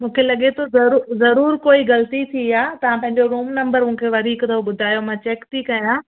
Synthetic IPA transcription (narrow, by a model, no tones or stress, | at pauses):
mũːkʰelɐɠet̪ʰozɐɾuzɐɾuːɾkoːiɣɐlt̪it̪ʰiaːt̪ɐʋ̤ãpɐ̃ɦɪ̃ɲd͡ʑoɾuːmnɐ̃mbəɾmũɦkʰeʋɐɾiːkt̪ʰɐoɓʊd̪ʱaːjomãt͡ɕɛːkt̪ʰikɐjãː